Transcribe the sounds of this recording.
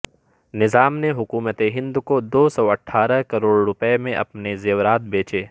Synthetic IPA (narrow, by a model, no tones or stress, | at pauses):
nɪzaːmneɦʊkuːmət̪eɦɪ̃nd̪kod̪oːsɔːɐʈʰːaːɾəkɐɾoːɽɾʊpəemẽʔɐ̰pnezeːʋɾaːt̪̚beːt͡ʃeː